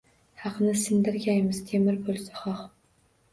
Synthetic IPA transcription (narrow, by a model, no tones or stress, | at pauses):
hɑqnɪsɨnd̪ɪɾɡʲæjmɪz̥t̪ʰemɪɾbolˠsḁχɑχ